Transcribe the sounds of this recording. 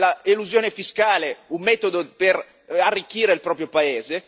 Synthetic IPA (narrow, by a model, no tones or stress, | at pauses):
laeluzjoːnefiskaːleumːɛːt̪od̪oper | arːikːiːɾeilpɾɔːpɾjopaeːze